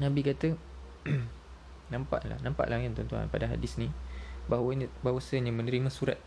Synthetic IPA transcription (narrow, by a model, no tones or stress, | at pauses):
nãbikat̪ə | nãmpa̰ʔla̰hnãmpa̰ʔlaant̪ɔnt̪ua̰npa̰daɦa̰dɪsnĩbabawasəɲãmə̃nəɾimãsuɾa̰t̪̚